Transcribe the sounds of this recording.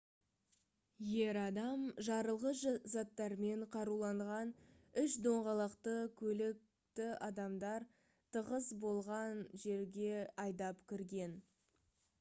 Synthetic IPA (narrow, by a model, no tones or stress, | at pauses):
je̞ɾɑd̪ɑmʒɑɾəlˠʁəszɑt̪ːɑɾme̞ɴqʰɑɾulˠɑɴʁɑnʏʃd̪o̞ɴʁɑlˠɑqt̪əkʲʰɵlɪk̚ | t̪ɪɑd̪ɑmd̪ɑɾ | t̪ʰəʁəzbo̞lˠʁɑnʒe̞ɾɡʲe̞ɑjd̪ɑpkʲʰɪɾɡʲe̞n